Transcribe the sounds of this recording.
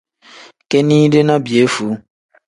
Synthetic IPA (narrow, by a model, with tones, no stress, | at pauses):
ke˦nĩ˦ɖe˦nã˦bi˨e˨˦fu˨˦